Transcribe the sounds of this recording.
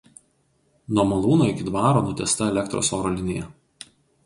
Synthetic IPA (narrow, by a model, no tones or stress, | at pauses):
nuɔmɐlˠuːnoːɪkʲɪd̪ʋɑːɾoːnʊt̪ʲɛst̪ɐɛlʲɛkt̪ɾo̰ːsoːɾoːlʲɪnʲɪjɛ